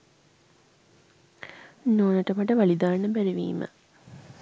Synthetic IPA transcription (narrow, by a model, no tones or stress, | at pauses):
noːnəʈəmɐʈəʋalid̪aːɳːəbæɾeʋḭːmə̰